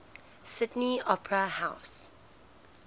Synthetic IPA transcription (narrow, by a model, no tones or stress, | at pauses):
sɪdniɔpʰɹəhaʊs